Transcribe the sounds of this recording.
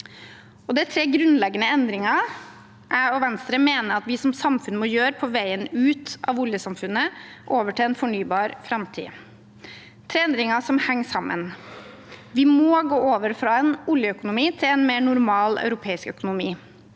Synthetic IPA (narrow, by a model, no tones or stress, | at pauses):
ɔd̪ɛɪt̪ʰɾeːɡɾʉnlɛɡənəɛnd̪ɾɪŋɑ | ʔæɔʋɛnst̪ɾəmeːnəɾɑt̪ʋɪsɔmsɑmfʉnmɔjøːɾpʰɔʋæɪənʉːt̪ɑ̰ʋʊljəsɑmfʉnəʔoːʋəʈʰɪlɛnfɔɳyːbɑːɾfɾɑmt̪ʰḭː | t̪ʰɾeːɛnd̪ɾɪŋɑsɔmhɛŋːsɑmːə̰n | ʋɪmoːɡoːoːʋəɾfɾɑɛnʊljəœkʊnʊmiːt̪ʰɪlɛnmeːɳʊɾmɑːlɑ̰ʉɾʊpʰeːɪskœkʊnʊmiː